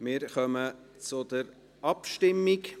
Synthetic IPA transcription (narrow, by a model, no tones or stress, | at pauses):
mɪːɾχœmət͡sʊd̪əɾ | ɑpʃtɪmːik